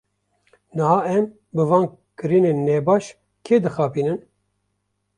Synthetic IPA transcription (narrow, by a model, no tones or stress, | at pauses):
nɨhɑːɛm | bɨvɑːn | kɨɾiːneːnːebɑːʃ | kʰeːd̪ɨxɑːpiːnɨn